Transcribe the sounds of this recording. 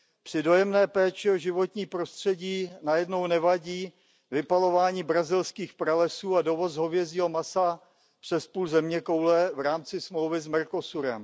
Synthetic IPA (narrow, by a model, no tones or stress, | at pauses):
pr̝̥ɪdo̞jɛmnɛːpɛːt͡ʃɪoʒɪvo̞t̪ɲiːpɾo̞st̪r̥ɛɟiːnajɛdno̞wnɛvaɟiː | vɪpalo̞vaːɲiːbɾazɪlskiːxpɾalɛsuːado̞vo̞zɦo̞vjɛziːɦo̞masa | pr̝̥ɛspuːlzɛmɲɛko̞wlɛvɾaːmt͡sɪsmlowvɪzmɛɾko̞suɾɛ̰m